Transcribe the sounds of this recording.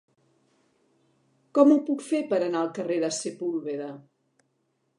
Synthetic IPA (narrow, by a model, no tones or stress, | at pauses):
kɔmupukfepəɾənaəlˠkəreðəsepulˠβeɾə